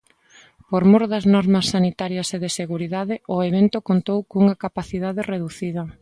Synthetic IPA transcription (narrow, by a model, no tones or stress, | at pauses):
poɾmoɾðɐznɔɾmɐsːanit̪aɾjɐseðeseɣuɾiðaðɪʊeβ̞ent̪ʊkont̪owkuŋɐkapaθiðaðɪreðuθiðɐ